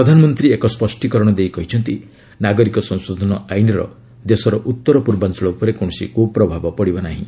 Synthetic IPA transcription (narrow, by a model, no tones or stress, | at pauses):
pɾɔd̪ʱanɔmɔnt̪ɾiekɔspɔsʈikɔɾɔɽ̃ɔd̪ejkɔɦit͡ʃʰɔnt̪i | naɡɔɾikɔsɔ̃ŋ̃sod̪ʱɔnɔajnɔɾɔ̰ | d̪esɔɾɔʔut̪ːɔɾɔpuɾbant͡ʃɔɭɔupɔɾekoɽ̃ɔsikʰubɔpɾɔbʱabɔpɔɽibɔnaɦḭ̃